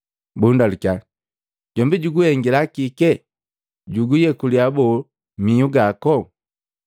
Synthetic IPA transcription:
bundalukai | ɟɔmbiɟuɡuhɛŋɡilakikɛ | ɟuɡujɛkuliabɔ | miuɡakɔ

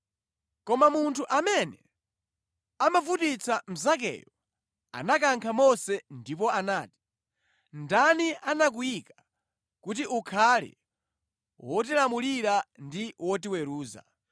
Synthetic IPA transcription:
kɔmamuntʰuʔamɛnɛ | amavutit͡sam̩zak̬ɛ̰ːjɔ | a̰nak̬aŋkʰamɔsɛndip̬ɔanaːti̥ | ndanianak̬ujika | kut̬iʔukʰalɛ̰ | wɔt̬ilamuliɾandiwɔtiwɛɾuːza̰

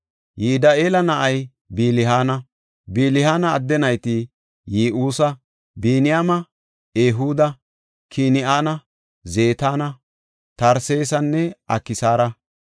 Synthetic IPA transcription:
jiːd̪ɐʔeːlɐnɐʔɐj | biːlɪɦaːnɐ | biːlɪhaːnɐːd̪ːɛnɐjt̪i | jiːʔuːsɐ | biːnɪjaːmɐ | eːɦuːd̪ɐ | kʰinɪʔaːnɐ | zeːt̪aːnɐ | t̪ɐɾseːsɐnːɛʔɐ̰kːɪsaːɾɐ

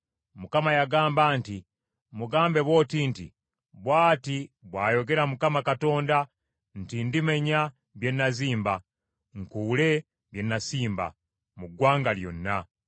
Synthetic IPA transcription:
mukamajaɡaːmbaːnti | muɡaːmbe̞βwo̞ːtiːntḭ | βwaːtiβwaːjo̞ɡe̞ɾamukamakato̞ːnda | n̩tindime̞ɲa | βje̞nːaziːmba | ŋkule̞ | βje̞nːasiːmba̰ | muɡwaːŋɡaljo̞̰nːa

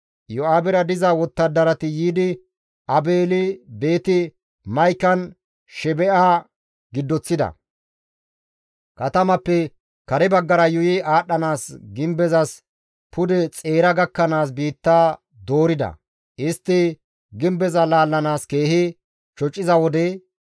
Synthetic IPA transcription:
jɔaːbɛɾɐd̪ɪzɐwɔt̪ːɐd̪ɐɾɐt̪ɪjiːd̪ɪ | ʔɐbe̞ːlɪbe̞ːt̪ɪ | mɐjkːɐn | ʃɛbɛʔaː | ɡɪd̪ːɔt͡sːɪd̪ɐ̰ | kɐt̪ɐmɐpːɛ | kɐɾɛbɐɡːɐɾɐjʊjɪaːɗɐnaːsɡɪmbɛzɐs | pʰʊd̪ɛt͡sʼe̞ːɾɐɡɐkːɐnaːs̬biːt̪ːaː | d̪o̞ːɾɪd̪ɐ̰ | ʔɪst̪ːɪ | ɡɪmbɛzɐlaːlːɐnaːske̞ːhɪ | t͡ʃɔt͡ʃʼːɪzɐwɔd̪ɛ

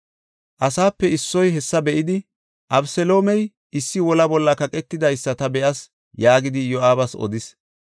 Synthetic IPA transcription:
ʔɐsaːpːɛɪsːɔjɦɛsːɐbɛʔɪd̪ɪ | ʔɐbsɛlo̞ːmɛj | ʔɪsːɪwɔlɐbɔlːɐkɐkʼɛt̪ːɪd̪ɐjsːɐt̪ɐbɛʔɐs | jaːɡɪd̪ɪjɔʔaːbɐsɔ̰d̪ɪs

